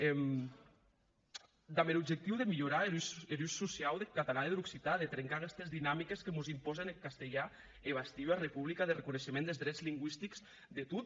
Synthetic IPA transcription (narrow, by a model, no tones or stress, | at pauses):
ɛm | d̪amelubd͡ʒek̚t̪iwðemiʎuɾaelueluʃːusiawðekat̪alaðeðɾuksit̪aðet̪ɾeŋkakɛst̪ezðinamikeskemuzimpɔzenekast̪eʎa | eβ̞ast̪iwarepuβlikaðerekuneʃemẽnd̪ezðɾɛd͡zliŋɡwist̪ikz̥ | d̪et̪ut̪̚